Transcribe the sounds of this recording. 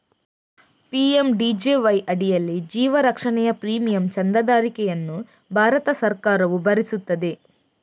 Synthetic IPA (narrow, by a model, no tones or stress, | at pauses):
piemɖid͡ʒeːʋɐjʔɐɽijɐlːid͡ʒiːʋɐɾɐkʂɐɳɛjɐpɾiːmijɐmt͡ʃɐnd̪ɐd̪aːɾikɛjɐnːu | bʱaːɾɐt̪ɐsɐɾkaːɾɐʋubʱɐɾisut̪ːɐd̪i